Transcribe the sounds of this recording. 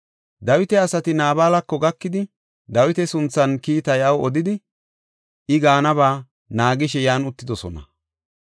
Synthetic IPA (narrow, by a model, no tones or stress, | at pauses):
d̪ɐwɪt̪ɛɐsɐt̪ɪnaːbaːlɐkːɔɡɐkːɪd̪ɪ | d̪ɐwɪt̪ɛsʊnt͡sːɐnkiːt̪ɐjɐwɔd̪ɪd̪ɪ | ʔɪɡaːnɐβaː | naːɡɪʃɛjaːnʊt̪ːɪd̪ɔsɔnɐ̰